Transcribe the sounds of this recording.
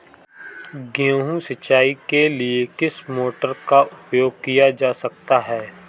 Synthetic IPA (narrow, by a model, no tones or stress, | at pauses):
ɡõːɦũsɐt͡ʃːaːikeliekɪsmoːʈəɾkaʔʊpjoːɡ̚kijad͡ʒaːsɐk̚t̪aɦɛː